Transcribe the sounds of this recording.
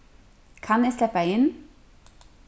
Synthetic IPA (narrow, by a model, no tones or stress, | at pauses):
kʰɑneːslɛpaɪn